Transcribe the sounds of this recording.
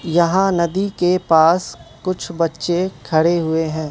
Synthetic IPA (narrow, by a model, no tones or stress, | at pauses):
jɐɦãnɐd̪ikepaːskʊt͡ʃʰbɐtːʃekʰɐɽeɦʊeɦɛ̃ː